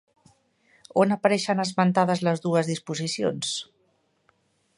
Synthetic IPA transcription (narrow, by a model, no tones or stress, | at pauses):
onəpəɾɛʃənəzmənt̪aðəzləzðuəzðispuzisio̰ns